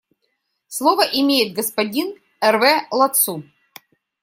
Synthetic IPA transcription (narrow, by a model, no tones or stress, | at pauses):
slˠovəʔɪmʲejɪt̪̚ɡəspɐdʲin | ɛrvɛlˠɐt̪su